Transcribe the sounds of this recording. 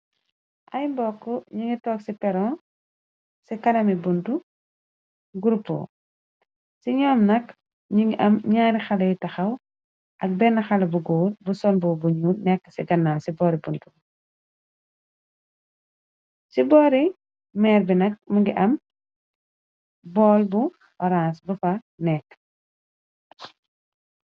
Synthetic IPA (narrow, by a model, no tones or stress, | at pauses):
ʔɐjmbɔːkːɔɲuŋɡitɔːksipɛɾɔ̃ː | sikɐnɐmibundu | ɡuɾupːṵ | siɲɔːmnɐk | ɲuŋɡiʔɐmɲaːɾixɐlɐjtɐxɐw | ʔɐk̚bɛnːɐxɐlɐbuɡuːrbusɔnbubuɲunɛkːə̥sɛɡɐnːaːlsibɔːɾibuntu | sibɔːɾi | mɛːrbinɐk̚muŋɡiʔɐm | bɔːlbu | ɔɾãnsbufɐ | nɛkː